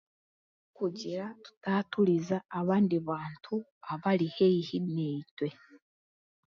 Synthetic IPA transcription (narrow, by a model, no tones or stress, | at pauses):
kuɟiɾatu̥tatuɾizaːβaːndiβaːntʰuaβaɾihejihinetwe